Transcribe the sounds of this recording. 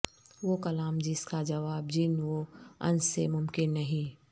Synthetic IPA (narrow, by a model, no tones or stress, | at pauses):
ʋokɐlaːmd͡ʒɪskad͡ʒɐʋaːbd͡ʒɪnʋoɐ̰̃nsːḛmʊmkɪnːɐɦĩː